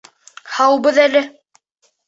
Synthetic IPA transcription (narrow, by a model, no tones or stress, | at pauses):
hɑwbɤðælɘ